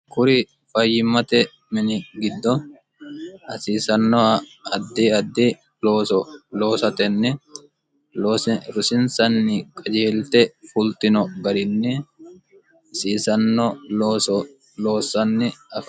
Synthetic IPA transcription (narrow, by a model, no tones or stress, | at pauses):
kʊɾɪ | fɐjːɪmːɐt̪ɛ | mɪnɪɡɪd̪ːɔ | ɐsiːsɐnːɔɐɐd̪ːiɐd̪ːi | loːsɔloːsɐt̪ɛnːɛ | loːsɾʊsɪnsɐnːɪkʼɐd͡ʒeːlt̪ɛfʊlt̪ɪnɔɡɐɾɪnːɛ | siːsɐnːɔlosɔ | loːsɐnːɪɐfɐ